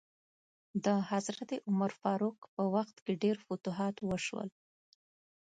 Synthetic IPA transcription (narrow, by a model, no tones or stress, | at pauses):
d̪əhazɾat̪eʔʊmaɾfɑɾukpəwaxt̪keɖeɾfʊt̪uɦɑt̪wəʃwə̰l